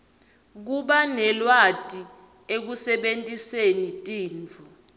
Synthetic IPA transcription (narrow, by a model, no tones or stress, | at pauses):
k̬uɓanɛlwatʼi | ek̬usɛɓentʼisenitʼiːnt͡fʰu